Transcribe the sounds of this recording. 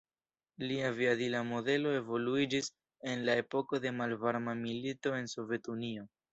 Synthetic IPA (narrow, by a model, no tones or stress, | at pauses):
liaviadilamo̞de̞lo̞e̞vo̞luid͡ʒis | e̞nlae̞po̞ko̞de̞malvaɾmamilito̞e̞nso̞ve̞tunio̞